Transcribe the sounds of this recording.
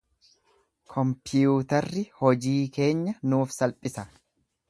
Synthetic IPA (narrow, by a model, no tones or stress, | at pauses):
kʰɔmpɪjuːt̪ɐrːɪhɔd͡ʒiːke̞ːɲːɐnuːfsɐlpʼːɪsɐ